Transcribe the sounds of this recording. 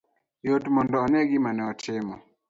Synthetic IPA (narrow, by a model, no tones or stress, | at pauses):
jɔtumɔndɔanɛɡimanɛɔtʰɛmɔ